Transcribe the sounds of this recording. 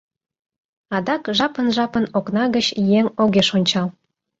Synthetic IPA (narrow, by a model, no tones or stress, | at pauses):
ɑd̪ɑkʒɑpənʒɑpə̆noknɑɣət͡ɕjeŋoɣeʃonʲt͡ɕɑl